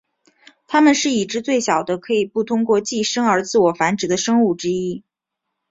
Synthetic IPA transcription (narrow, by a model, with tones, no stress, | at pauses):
t̪ʰa˥mə˨nʂɻ̩˥˩i˨˩ʈ͡ʂɻ̩˧˥t͡swe˥˩ɪɕjɑ˨˩ʊd̪ə˦kʰɤ˧˥i˨˩pu˥˩t̪ʰʊ˥ŋkwɔ˥˧t͡ɕi˥˩ʂɤ˥ŋə˞˧˥t͡sɹ̩˥˩wɔ˨˩fa˧˥nʈ͡ʂɻ̩˨˩d̪ə˦ʂɤ˥ŋu˥˩ʈ͡ʂɻ̩˥i˥